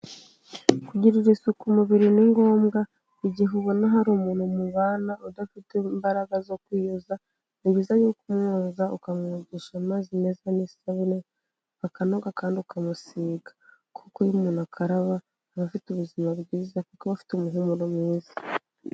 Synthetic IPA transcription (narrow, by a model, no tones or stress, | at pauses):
kuɟiɾiɾisukumuβiɾiniŋɡo̞ːmɡa | iɟiɦuβo̞naɦaɾumuːnhumuβaːnaudafitembaɾaɡazo̞kwiːjoza | niβiːzajuːkumŋoːzaukamŋuːɟiʃamaːzine̞zanisaβine | βakano̞ɡakaːndiukʰamusiːɡḁ | kʰukojumuːnuakʰaɾaβaː | βafituβuzimaβɡiːzakukoβafi̥tumuɦumuɾomwiːzḁ